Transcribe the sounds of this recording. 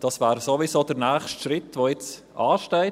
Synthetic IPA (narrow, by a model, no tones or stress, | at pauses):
d̥ɑsvɛːɾsovisoːd̥əɾnɛːχʃtʃɾɪtʋoːjɪt͡s | ɑːʃtɛɪt